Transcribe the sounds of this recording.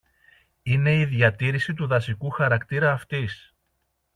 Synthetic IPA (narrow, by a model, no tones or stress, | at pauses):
ine̞iðʝɐt̪iɾisit̪uðɐsikuxɐɾɐkt̪iɾɐːft̪is